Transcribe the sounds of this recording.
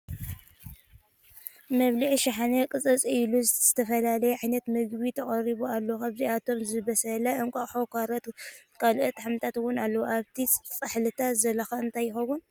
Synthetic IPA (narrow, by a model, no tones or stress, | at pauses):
mɐβliʕiʃaħanɐkʼɨt͡sʼɐt͡sʼiluzz̥ɨt̪ʰɐfɐlalɐjɛʕajnɐt̪mɨɡbit̪ʰɐχʼɐɾiβualːokaβziʔat̪ʰo̞mzɨβɐsɐlɐʔɨŋkʷʼaħokʰaɾɐt̪kʰalʔot̪ʰħamt̪ʰat̪wʊnalːɐwuʔaβt̪ʰit͡sʼɨħlɨt̪ʰazɐlːɐxaɨnt̪ʰajːɪxɐwʊn